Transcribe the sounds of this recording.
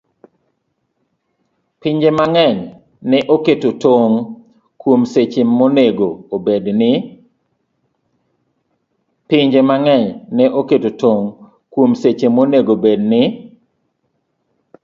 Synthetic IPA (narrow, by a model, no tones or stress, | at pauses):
piɲd͡ʒemaŋɛɲ | nɛʔoketotoŋ | kwomset͡ʃemːoneɡoːbednɪ | pɪɲd͡ʒemaŋɛɲnɛʔoketotoŋ | kwomset͡ʃemːoneɡobed̚nɪ